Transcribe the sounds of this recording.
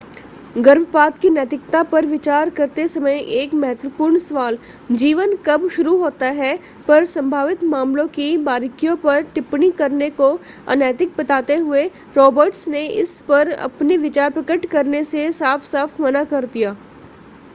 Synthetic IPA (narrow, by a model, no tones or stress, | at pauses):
ɡɐɾbpaːt̪kinɛːt̪ɪkt̪apɐɾʋɪt͡ʃaːɾkɐɾt̪esɐməjʔeːkmɛɦɛt̪ʋəpuːɾɳsɐʋaːl | d͡ʒiːʋənkɐbʃʊɾuɦoːt̪aɦɛ | pɐɾsɐ̃mbʱaːʋɪt̪maːmlõkibaːɾɪkijõpɐɾʈɪpnikɐɾneko | ɐ̰nɛːt̪ɪk̚bɐt̪aːt̪eɦʊe | ɾɔːbəɾʈsneɪ̰spɐɾɐ̰pneʋɪt͡ʃaːɾpɾɐkəʈkɐɾnesesaːfʰsaːfʰmɐnakɐɾd̪ijaː